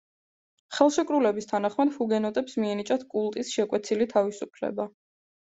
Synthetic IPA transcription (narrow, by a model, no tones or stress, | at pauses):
χɛlˠʃɛkʼɾulɛbist̪ʰanaχmad̪̥huɡɛnɔt̪ʼɛpsmiɛnit͡ʃʼat̪ʰkʼulˠt̪ʼisʃɛkʼwɛt̪sʰilit̪ʰavisupʰlɛ̰ba